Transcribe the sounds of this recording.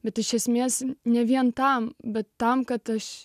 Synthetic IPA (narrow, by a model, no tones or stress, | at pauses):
bʲɛt̪ɪʃʲɛsʲmʲeːsnʲɛʋʲiɛnt̪ɐmbʲɛt̪ːɐmkɐt̪ɐʃ